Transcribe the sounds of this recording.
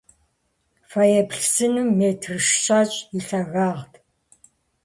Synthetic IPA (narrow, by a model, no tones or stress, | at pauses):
fajɛpɬsɨnɨmːeːtʰrɨʃʃaːt͡ʃʼiɬɐɣaːʁtʰ